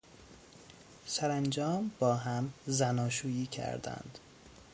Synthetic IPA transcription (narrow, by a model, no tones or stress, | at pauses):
sæɾænd͡ʒɒːmbɒːɦæmzænɒːʃuːjiːcʰæ̰ɾd̪æ̰nd̪̥